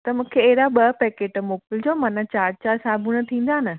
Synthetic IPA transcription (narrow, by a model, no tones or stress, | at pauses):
t̪ɐmũːkʰeːɦɪɾaɓɐpɛːkeːʈmoːpɪld͡ʑoːmãːnãt͡ɕaːɾt͡ɕaːɾsaːbʱʊɽ̃ə̆t̪ʰĩːn̆d̪aːnɪ